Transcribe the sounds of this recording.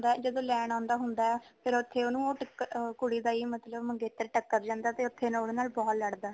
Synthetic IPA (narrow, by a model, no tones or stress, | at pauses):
nd̪aːɛːd͡ʒəd̪õːlɛːnãːnd̪aːɦʊnd̪aːɛːpʰɪɾʊt̪ʰːeːoːnũːoːʈəkːkʊɽiːd̪aːiːmət̪ləbməŋɡeːt̪əɾʈəkːəɾd͡ʒãːnd̪aːt̪eːʊt̪ʰːeːnoːɽeːnaːlbɔːt̪ləɽd̪aː